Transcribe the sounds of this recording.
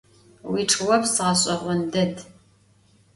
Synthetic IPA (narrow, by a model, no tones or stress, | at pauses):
wiʈ͡ʂʼʰɨwɔpsɨʁɐɕʼɐʁʷʊndɐd